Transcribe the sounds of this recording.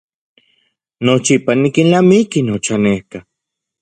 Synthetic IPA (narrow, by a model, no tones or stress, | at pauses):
not͡ʃipanikinlamikinot͡ʃanehka